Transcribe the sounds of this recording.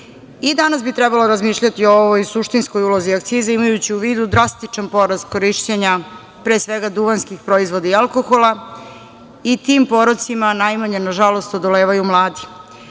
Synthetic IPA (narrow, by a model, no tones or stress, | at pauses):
id̪anasbit̪ɾɛbalo̞ɾazmiːʃʎat̪iooʋojsuʃt̪inskojuloziakt̪siːzaimajut͡ɕiuʋiːd̪ud̪ɾast̪it͡ʃanpo̞ɾaskoɾiʃt͡ɕeɲa | pɾeːsʋe̞ɡad̪uʋanskixpɾo̞izʋo̞d̪aialko̞xolˠa | it̪iːmpo̞ɾosimanajmaɲenaʒalo̞st̪o̞d̪o̞le̞ːʋajumlˠaːd̪i